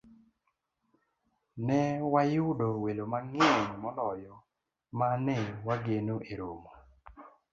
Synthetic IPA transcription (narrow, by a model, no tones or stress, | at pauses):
nɛwajʊdɔwelomaŋɪɛɲmɔlɔjɔ | manɛwaɡenoʔeɾomo